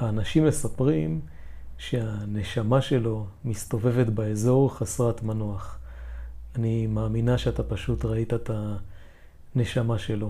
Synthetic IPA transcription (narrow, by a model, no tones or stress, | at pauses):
haːnaʃimesapʁim | ʃeaneʃamaʃe̞lo̞mist̪o̞ve̞ve̞t̪baezo̞ʁχasʁatmanoaχ | animaːminaʃeat̪apaʃutʁaitaet̪a | ne̞ʃamaʃe̞lo̞